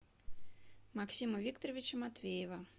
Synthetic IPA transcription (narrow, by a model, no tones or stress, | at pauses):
maksʲimɐvʲikt̪oɾovʲit͡ɕɐmat̪vʲejevɐ